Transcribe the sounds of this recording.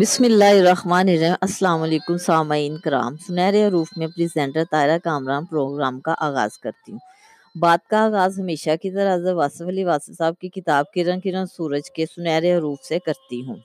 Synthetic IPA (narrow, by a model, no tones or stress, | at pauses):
bɪsmɪlːaːɦɪɾɐɦmaːnɪɾemʔɐsːlaːmɐleːkʊmsaːmaiːnkɐɾa̰ːmsʊnɛːɾeɦɐɾuːfmẽpɾizɛ̃ːɳʈəɾt̪aːɪɾakaːmɾaːnpɾoːɡɾaːmkaʔaːɣa̰ːz̥kɐɾt̪iɦũː | baːd̪̚kaaːɣaːzɦɐmeːʃakit̪ɐɾɦɐzəɾʋaːsəfɐliʋaːsəfsaːb̚kikɪt̪aːb̚kiɾɐ̃ŋɡkiɾɐ̃ŋɡsuːɾəd͡ʒkesʊnɛːɾeɦɐɾuːfsekɐɾt̪iɦũː